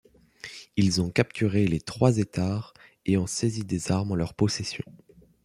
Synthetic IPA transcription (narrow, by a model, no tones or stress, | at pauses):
ilzɔ̃kap̚t̪yʁelet̪χwazet̪aːʁ | eɔ̃sezid̪ezaʁmɑ̃lœʁpɔsesjɔ̃